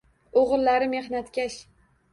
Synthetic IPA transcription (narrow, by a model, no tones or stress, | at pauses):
oʁɨlːaɾɪme̞hnat̪kʲaʃ